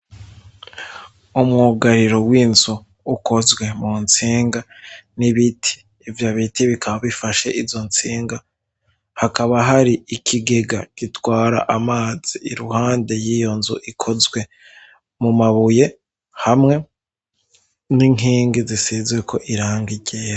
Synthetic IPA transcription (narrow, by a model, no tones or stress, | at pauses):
umŋuɡaɾiɾo̞wiːnzuː | ko̞zɡwe̞munt͡siːŋɡaniβitʰi̥ː | vjaβitiβikaβaβifaʃe̞ʔizo̞nt͡siːŋɡa | hakaβaɦaɾiikʰiɡe̞ɡakitwaːɾa̰ʔamaːz̥iiɾuhaːnde̞jijo̞nzṵʔikʰo̞zɡwe̞ | mumaβuje̞ | hamŋe̞ | niŋiːŋɡizisizwekʰo̞ʔiɾaːŋɡiɟeːɾa